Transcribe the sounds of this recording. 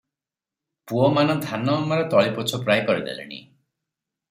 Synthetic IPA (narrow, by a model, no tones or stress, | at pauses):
puɔmanɔd̪ʱanɔmaɾɔt̪ɔɭipɔt͡ʃʰɔpɾajkɔɾid̪ḛlḭnḭ